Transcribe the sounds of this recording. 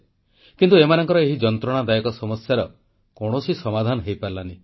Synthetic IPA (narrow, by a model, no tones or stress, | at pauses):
kint̪uemanɔŋkɔɾɔeɦid͡ʒɔnt̪ɾɔɽ̃ad̪ajɔkɔsɔmɔsjaɾɔ | kɔɽ̃osisɔmad̪ʱanɔɦejpaɾlani